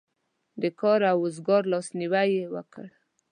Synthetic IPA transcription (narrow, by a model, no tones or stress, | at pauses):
d̪əkɑɾawʊzɡɑɾlɑsniwajewə̰kəɽ